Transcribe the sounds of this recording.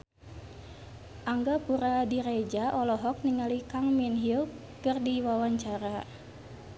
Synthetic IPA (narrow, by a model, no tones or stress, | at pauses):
ʔaŋɡapuɾadiɾed͡ʒaʔɔlɔɦɔk̚niŋalikaŋminɦil | kɨrdiwawaɲt͡ʃaɾa